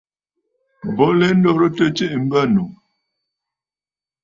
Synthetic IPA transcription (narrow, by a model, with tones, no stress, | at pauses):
bɔ˨˦lɛ˦n̩˦dɔ˦ɾə˦tə˦t͡ʃə˦ʔm̩˦bə˦˨nu˨